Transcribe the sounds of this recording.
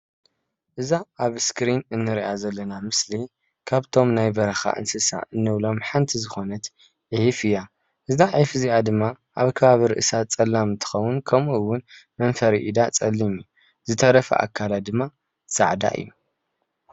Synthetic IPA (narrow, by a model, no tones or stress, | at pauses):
ʔɨzaʔaβskɾinɨnːɨɾiʔazɐlːɐnamɨsli | kʰaβt̪ʰo̞mnajbɐɾɐxa̰ʔɨ̰nsɨsa̰ʔɨnːɨβlo̞mħant̪ʰizɨxo̞nɐt̪ | ʕihifɨja | ʔɨzaʕifɨziʔad̪ɨmːa | ʔaβkʰɐβaβiɾɨʔɨsat͡sʼɐlːamɨnt̪ʰɨ̥xɐwːʊnkʰɐmuɨwʊnmɐnfɐɾiʔid̪at͡sʼɐlːimu | zɨt̪ʰɐɾɐfɐ̰ʔa̰kʰːalad̪ɨmːa | sa̰ʕd̪a̰ʔɨ̰jːu